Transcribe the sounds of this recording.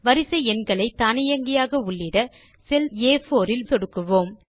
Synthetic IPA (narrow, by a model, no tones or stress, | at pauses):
ʋɐɾɪsɐɪɛnɡɐɭɐɪt̪aːnɪjɐŋɡɪjaːɣɐʊɭːɪɽɐ | sɛleːfoːɾɪlsɔɽɯkːɯʋoːm